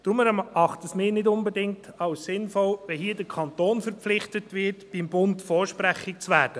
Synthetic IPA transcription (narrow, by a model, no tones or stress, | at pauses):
d̥ɾʊmɛɾɑχtəsmɪːnɪdʊnbɛdɪŋtʰɑʊssɪnfɔlʋɛhiːdəɾkʰɑnt̪oːnfəɾp͡flɪχtətʋɪtb̥ɪmbʊntfɔːʃpɾæχɪk̚t͡sʋæːɾd̥ə